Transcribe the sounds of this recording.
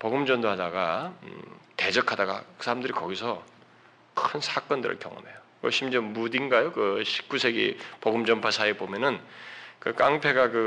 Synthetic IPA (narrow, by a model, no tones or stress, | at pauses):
poɡɯmd͡ʑʌndoɦadaɡa | te̞d͡ʑʌkʰadaɡa̰ɯsʰaɾamdɯɾikʌɡisʰʌ | kʰɯnsʰak͈ʌndɯ̰ɾɯ̰ɭkjʌ̰ŋɯ̰mɦe̞jo | ʌ̰ɕʰimd͡ʑemudinɡajokɯɕʰi̥k͈usʰe̞ɡḭpoɡɯmd͡ʑʌnpʰasʰaibomjʌnɯnkɯk͈aŋpʰe̞ɡakɯ